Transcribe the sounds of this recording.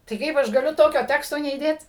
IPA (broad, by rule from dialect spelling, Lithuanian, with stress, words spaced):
tɐɪ ˈkɐɪp ɐʃ ɡɐˈlʲʊ ˈtoːkʲoː ˈtʲæːkstoː nʲɛiːˈdʲeːt